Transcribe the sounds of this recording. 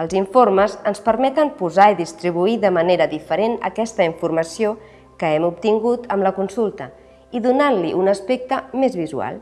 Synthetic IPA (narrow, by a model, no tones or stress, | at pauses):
əlˠziɱforməzənspəɾmɛt̪əmpuzaiðist̪ɾiβuiðəməneɾəðifəɾenə̰kɛst̪əiɱfurməsio | kəɛmup̚t̪iŋɡut̪əmbləkunsulˠt̪ə | iðunanliʔunəspek̚t̪əmezβizua̰lˠ